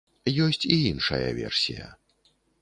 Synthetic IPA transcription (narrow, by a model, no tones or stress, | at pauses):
jɔsʲt͡sʲiinʂɐjɐ̰vʲɛ̰rsʲijɐ̰